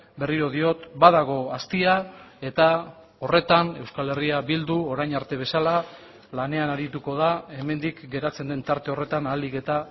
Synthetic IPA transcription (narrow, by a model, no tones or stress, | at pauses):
be̞riɾo̞ð̞io̞t̪baðaɣ̞o̞ast̪iae̞t̪a | o̞re̞t̪ane̞wskale̞riabild̪uo̞ɾajɲaɾt̪e̞β̞e̞sala | lane̞anaɾit̪uko̞ð̞ae̞me̞nd̪ikɡe̞ɾat͡se̞nd̪e̞nt̪aɾt̪e̞o̞re̞t̪analike̞t̪a